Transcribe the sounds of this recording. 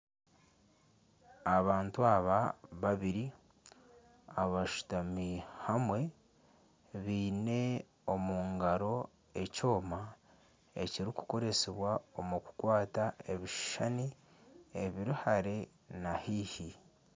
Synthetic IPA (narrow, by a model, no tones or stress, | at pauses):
aβaːntuaβaβaβiɾi | aβaʃu̥tamihamwe̞ | βiːne̞ | o̞muŋɡaɾo̞ | e̞co̞ːma | e̞̰ciɾiku̥ko̞ɾe̞seβwaomuku̥kwaːtae̞βiʃʃani | eβiɾihaɾe̞ | nahiːhi